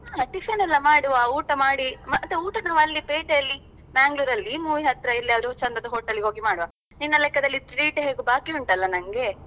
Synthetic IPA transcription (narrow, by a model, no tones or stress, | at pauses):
aːʈifʰɐnɛlːɐmaːɽuʋauːʈɐmaːɽimɐt̪ːuuːʈɐnaːʋɐlːipeːʈejɐlːi | baːŋɡluːɾɐlːimuːʋiɦɐt̪ɾɐilːiɐɾut͡ʃɐnd̪ɐd̪ɐɦoːʈːɐlːiɡɦo̞ːɡimaːɽuʋa | ninːɐlɛkːɐd̪ɐlːit̪ɾɽiːʈɦeːɡubaːkiuɳʈɐlːɐnɐŋɡe̞